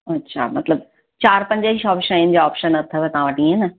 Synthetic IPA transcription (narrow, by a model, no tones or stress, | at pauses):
ɐtːɕʰa̰mɐt̪ləb̚ | t͡ɕaːɾpɐ̃ɲd͡ʑəɪʃɔːpʃəaːɪnɪ̆d͡ʑaɔːpʃənɐt̪ʰəʋet̪ɐɦãʋəʈĩɦenɐ